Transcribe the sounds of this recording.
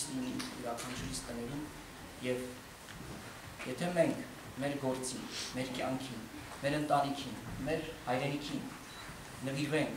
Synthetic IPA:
liniuɾɑkʰɑnt͡ʃʰɾist̪ənɛɾum | jɛv | jɛt̪ʰɛmɛŋkʰ | mɛɾɡɔɾt͡sinmɛɾkjɑŋkʰin | mɛɾənt̪ɑnikʰinmɛɾhɑjɾɛnikʰin | nəviɾvɛŋkʰ

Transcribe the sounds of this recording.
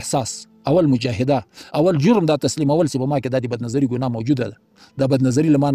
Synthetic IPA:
sɑːs | ɐwɐlmʊd͡ʒaːɦɪd̪aawɐld͡ʒʊɾmd̪aːt̪ɐslimɐwalsepɐmɑked̪ad̪ibɐd̪nɐzɐɾiɡunɑːmɐwd͡ʒud̪ad̪a | d̪abɐd̪nɐzɐɾilamɑn

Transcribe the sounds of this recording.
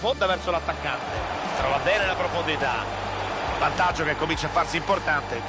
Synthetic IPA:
fond̪avɛrsolat̪ːakːant̪e | t̪ɾɔːvabɛːnelapɾofond̪it̪a̰ | vant̪ad͡ʒːokekːomint͡ʃafːarsiimport̪ant̪e

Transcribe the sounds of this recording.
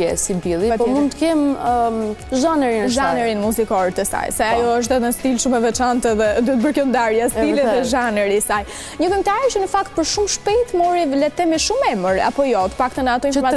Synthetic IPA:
jɛ̰sibilˠipɔmund̪t̪əkɛm | ʒanɛɾinʒanɛɾinmuzikɔɾt̪əsa̰jsajajɔəʃ̬t̪ɛt̪nəst̪ilʃumɛvɛt͡ʃant̪ɛðɛd̪ɔt̪̚bəɾkɔnd̪aɾjast̪ilɛðɛʒanɛɾisaj | ɲəkəmt̪aɾit͡ʃənəfakt̪̚pəɾʃumʃpɛjt̪mɔɾivlɛt̪ɛmiʃumɛməɾa̰pɔjɔt̪ə̥pak̚t̪ənat̪ɔĩnfɔɾma

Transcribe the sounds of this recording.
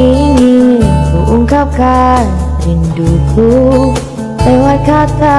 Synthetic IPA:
iŋikuʔuŋkap̚kanɾindukʰu | lewat̪̚kat̪a

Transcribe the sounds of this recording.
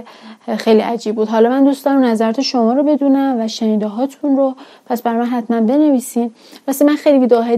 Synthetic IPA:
xejliʔæd͡ʒiːb̚buːd̪ɦɒːlɒːmænd̪uːst̪ɒːɾmnæzæɾɒːt̪ʰe̞ʃomɒːɾobe̞d̪uːnæmvæʃeniːd̪eɦɒːt̪ʰunɾopʰæsbæɾmænɦæt̪mænbe̞ne̞viːsim | bæsimænxejliviːd̪ɒɦej

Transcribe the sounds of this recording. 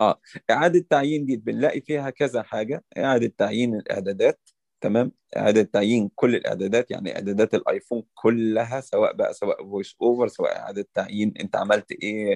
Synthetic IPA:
ʔæːʔeʕaːd̪æt̪ːaʕjiːnd̪iːbenlæʔifiːhækæzæħaːɡæʔḛʕad̪æt̪ːaʕjiːnelʔḛʕd̪æːd̪æːt̪̚ː | æmæːm | ʔḛʕa̰ːd̪æt̪ːaʕjiːnkolːelʔḛʕd̪æːd̪æːt̪ja̰ʕnḭʔḛʕd̪æːd̪æːt̪elʔɑ̰jfuːnkʰolːæɦæsæwæ̰ːʔbæʔæ̰sæwæ̰ːʔvojsʔoːveɾsæwæ̰ʔḛʕa̰ːd̪æt̪ːaʕjiːnʔḛnt̪æʕamælt̪ʔeː

